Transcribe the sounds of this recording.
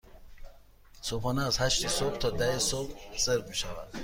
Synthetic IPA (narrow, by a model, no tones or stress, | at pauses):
sɔpɔnaːzhaʃt̪isɔbt̪ʰɔd̪aisobsəɾɡuʃava̰d̪̥